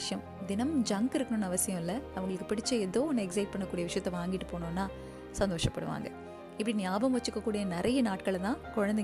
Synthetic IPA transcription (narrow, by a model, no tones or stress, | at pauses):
ʂjɐm | d̪ɪnɐmd͡ʒɐŋɡɪɾɯkːɐnɯnːɐʋɐsɪjɐ̃mɪlːɐɐʋɐŋɡɐɭɯkːɯpɪɽɪt͡ʃːɐɛðoːɔnːɛksɐɪʈ̚pɐɳːɐkːuːɽɪjɐʋɪʂɐjɐt̪ːɐʋaːŋɡɪʈːɯpoːɳõːnːaː | sɐnd̪oːʂɐpːɐɽɯ̰ʋa̰ːŋɡɐ | ɪpːɐɽinjaːbɐmʋɐt͡ʃːɯkːɐkːuːɽɪjɐnɪɾʔɐjɐnaːʈkɐɭt̪ãːkɔɻɐnd̪ɛ